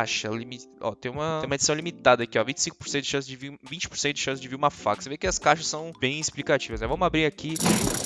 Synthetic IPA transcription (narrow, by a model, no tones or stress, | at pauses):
aʃɐlimiɔ̰t̪ẽj̃ũmɐ̃jumed͡ʒisɐ̃w̃limit̪ad̪ɐkiɔvĩt͡ʃɪ̥sĩkʊpoɾsẽt̪ɪʃɐ̃s̬ɪd͡ʒɪvivĩnt͡ʃɪpoɾsẽt̪ʊd̪ɪʃɐ̃sɪzd͡ʒɪviɾumɐfa̰ksevekɪɐskaʃɐsːɐ̃w̃b̥ẽj̃isplikat͡ʃivɐsmɛvɐ̃mʊabɾiɾakʰi